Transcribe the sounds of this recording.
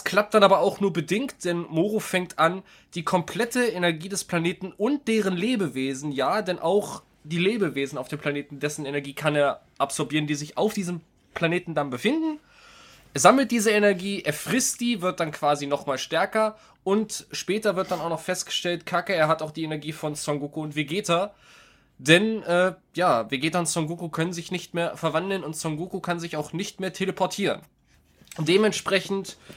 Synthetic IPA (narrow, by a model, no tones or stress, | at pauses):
skʰl̥ap̚t̚d̥anʔaːbɐaʊxnuːɐbədɪŋkt̚d̥ɛnmoːʁofɛŋk̚tʔan | d̥iːkʰɔmpʰl̥ɛtəenɛɐɡiːdɛspl̥aneːtn̩ʊnt̚d̥eːʁ̞ənleːbəveːzn̩jaːdɛnʔa̰ʊx | d̥iːleːbəveːzn̩aʊfd̥eːmpʰl̥aneːtn̩dɛsn̩enɛɐɡiːkʰaneːɐ | ʔapz̥ɔɐbiːʁəndiːzɪçaʊfd̥iːzəm | pl̥aneːtn̩danbəfɪndn̩ | ʔeːɐzaml̩t̚d̥iːzəenɛɐɡiːʔeːɐfʁ̥ɪstd̥iːvɪɐt̚d̥ankv̥aːzinɔχmaːlʃtɛɐkɐ | ʔʊntʃpɛːtɐvɪɐt̚d̥anaʊxnɔχfɛstɡ̥ə̥ʃtɛltkʰakəeːɐɦataʊxd̥iːenɛɐɡiːfɔnt͡sɔŋɡuːkuʊntv̥eɡeːta | d̥ɛnʔɛːjaːveɡeːtaʊntt͡sɔŋɡukukʰœnənzɪçnɪçtmeːɐfɛɐvandl̩nʊntt͡sɔŋɡuːkukʰanzɪçaʊxnɪçtmeːɐtʰeləpʰɔɐtʰiːʁə̰n | d̥eːmɛntʃpʁ̥ɛçn̩t